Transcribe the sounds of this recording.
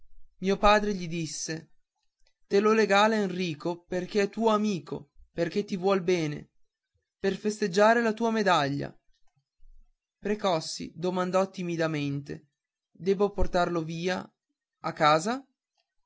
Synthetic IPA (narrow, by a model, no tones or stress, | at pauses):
miːopaːd̪ɾeʎid̪isːe | t̪eloleɡaːleenriːkoperk̟eɛt̪ːuːoamiːko̰perk̟et̪ːivwɔlbɛːnḛ | perfest̪ed͡ʒːaːɾelat̪uːamed̪aʎːa̰ | pɾekɔsːḭd̪omand̪ɔt̪ːimid̪ament̪ḛ | d̪ɛːboport̪arloviːa̰ | akːaːza